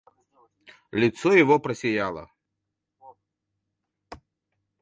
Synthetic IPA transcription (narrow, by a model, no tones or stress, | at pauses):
lʲit̪sɔjɐvɔpɾɐsʲɛjalˠɐ̰